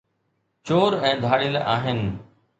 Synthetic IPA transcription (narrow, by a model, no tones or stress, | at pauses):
t͡ɕoːɾɛ̃ːd̪ʱaːɽɪlʔaːɦɪnɪ̆